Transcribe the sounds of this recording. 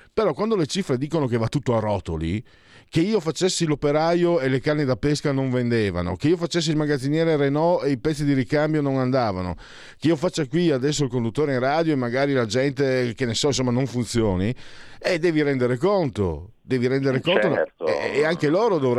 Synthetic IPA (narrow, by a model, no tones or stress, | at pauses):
peɾɔkwand̪olet͡ʃifɾed̪iːkonokevat̪ːut̪ːoarɔt̪o̰lḭ | keiːofat͡ʃːesːilopeɾajoelekarned̪apeskanoɱvend̪eːva̰no̰keiːofat͡ʃːes̬ːilmaɡad̪zːinjɛːɾerenɔeipɛt̪sːid̪iɾikambjonoŋand̪aːva̰no̰ | keiofat͡ʃːakwiad̪ɛs̬ːoilkond̪ut̪ːoːɾeĩŋraːd̪joemːaɡaːɾilad͡ʒɛnt̪ekenesɔinsomːanoɱfunt̪sjoːnied̪ɛːviɾɛnd̪eɾekont̪o̰ | d̪ɛːviɾɛnd̪eɾekont̪o | aŋkeloːɾod̪ovɾ